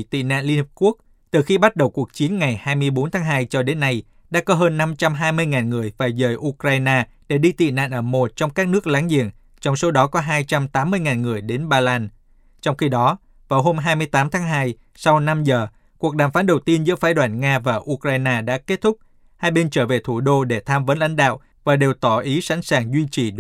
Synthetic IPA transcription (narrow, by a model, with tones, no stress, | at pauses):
t̪ḭ˧˨na̰ː˧˨nli˧nhi˨˩p̚ku˦˥ək̚ | t̪ɨ˨˩xi˧ɓa˦˥t̚ɗə˨˩wku˨˩ək̚t͡ɕi˨˦ənŋa˨˩jhaː˧jmɨ˧əjɓo˨˦nt̪ʰaː˨˦ŋɦaː˧jt͡ɕɔ˧ɗe˨˦nːa˧j | ɗa̰ː˧˥kɔ˨˦ɦəː˧nːa˧mt͡ɕa˧mɦaː˧jmɨ˧əjŋaː˨˩nŋɨ˨˩əjvaː˨˩jzəː˨˩jʔu˧kɾaː˧jnaː˧ | ɗe˧˩ɗi˧t̪ḭ˧˨na̰ː˧˨nʔəː˧˩mo˨˩t̚t͡ɕɔ˧wŋ͡mkaː˦˥k̚nɨ˦˥ək̚laː˨˦ŋzḭ˧˨əŋ | t͡ɕɔ˧wŋ͡mso˨˦ɗɔ˨˦kɔ˨˦ɦaː˧jt͡ɕa˧mt̪aː˨˦mːɨ˧əjŋaː˨˩nŋɨ˨˩əjɗe˨˦nɓaː˧laː˧n | t͡ɕɔ˧wŋ͡mxi˧ɗɔ˨˦ | vaː˨˩wɦo˧mɦaː˧jmɨ˧əjt̪aː˨˦mt̪ʰaː˨˦ŋɦaː˧j | sa˧wna˧mzəː˨˩ | ku˨˩ək̚ɗaː˨˩mfaː˨˦nɗə˨˩wt̪i˧ənzɨ̰˧˥əfaː˨˦jɗwaː˧˩nŋaː˧vaː˨˩ʔu˧kɾaː˧jnaː˧ɗa̰ː˧˥ke˦˥t̚t̪ʰʊ˦˥k͡p̚ | haː˧jɓe˧nt͡ɕəː˧˩ve˨˩t̪ʰu˧˩ɗo˧ɗe˧˩t̪ʰaː˧mvə˨˦nla̰˧˥jŋ̟ɗa̰ː˧˨wʔ | vaː˨˩ɗe˨˩wt̪ɔ˧˩ʔi˨˦sa̰˧˥ŋ̟saː˨˩ŋzwi˧t͡ɕi˨˩